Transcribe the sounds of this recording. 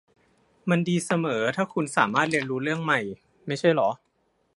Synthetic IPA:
ma˧ndiː˧sa˧mɤː˩˦t̪ʰaː˥˩kʰu˧nsa̰ː˩˦maː˥˩t̪̚li˧ənɾuː˦˥ɾɯ˥˩əŋma˧˩j | ma˥˩jt͡ɕʰa˥˩jlɔ˩˦

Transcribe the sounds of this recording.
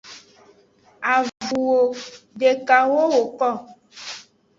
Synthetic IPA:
a˨vu˨wo˨ɖe˨ka˨wo˦wo˨kɔ˦˨

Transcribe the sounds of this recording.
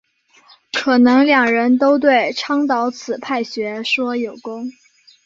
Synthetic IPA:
kʰɤ˨˩nɤ˧˥ŋljɑ˨˩ŋɻə˧˥nt̪̬o˥ʊt̪̬we˥˩ɪʈ͡ʂʰɑ˥ŋt̪ɑ˧˥ʊt͡sʰɹ̩˨˩pʰa˥˩ɪɕɥɛ˧˥ʂwɔ˥jo˨˩ʊkʊ˥ŋ

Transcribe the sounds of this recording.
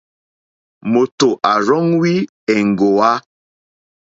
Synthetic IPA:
mo˨to˨ʔa˨ɾɔ˦ŋwi˦ | ɛ˨ŋ̩˨ɡo˨a˦

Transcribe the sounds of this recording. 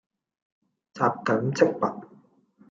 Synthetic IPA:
t͡saː˧p̚kɐ˨˥mt͡sɪ˥k̚pɐ˨˩t̚

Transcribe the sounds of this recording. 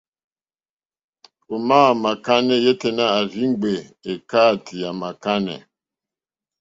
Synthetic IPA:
o˨maː˦˨ma˨ka˦nɛ˦je˦te˨na˦a˨zi˦ŋ˦ɡ͡be˨e˨ka˦˨tʰi˨a˨ma˨ka˦nɛ̰˨

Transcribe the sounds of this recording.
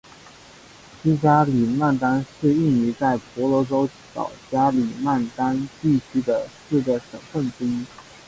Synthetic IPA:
ɕi˥t͡ɕja˥li˨˩ma˥˩nt̪a˥nʂɻ̩˥˧i˥˩ŋi˧˥t͡sa˥˩ɪpɔ˧˥lɔ˧˥ʈ͡ʂo˥ʊ | ɕɑ̰˨˩ʊt͡ɕja˥li˨˩ma˥˩nt̪a˥nt̪i˥˩t͡ɕʰy˥d̪ə˨ʂ̩˥˩d̪ə˩ʂə˨˩ŋfə˥˩nʈ͡ʂɻ̩˥i˥

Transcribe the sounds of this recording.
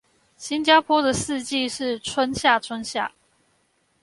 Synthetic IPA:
ɕi˦˥nt͡ɕja˥pʰwɔ˥d̪ə˨sɹ̩˥˧t͡ɕi˥˧ʂɻ̩˥˩ʈ͡ʂʰwə˦nɕja˥˨ʈ͡ʂʰwə˦˥nɕja˥˩

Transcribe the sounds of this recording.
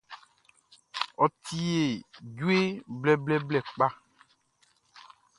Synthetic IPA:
ɔ˨t̪ʰi˨˦e˨d͡ʒu˦e˦blɛ˦blɛ˦blɛ˨k͡pa˦

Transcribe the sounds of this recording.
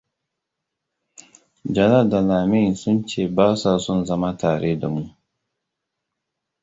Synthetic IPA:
d͡ʒɐ˨na˦˨da˨laː˨mɪ˦˨nsʊ˦nt͡ʃeː˦˨baː˦saː˨sʊ˦nzɐ˦ma˦taː˨ɽe˦da̰˨mu˦

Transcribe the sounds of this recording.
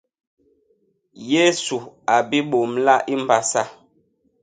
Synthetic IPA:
je˦su˨a˨bi˦ɓo˨mla˦ʔi˦m̩˨ba˦sa˦

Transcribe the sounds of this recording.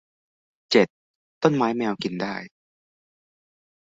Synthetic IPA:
t͡ɕe˨˩t̪̚ː | o˥˩˨nmaː˦˥jmɛː˧wki˧ndaː˥˩j

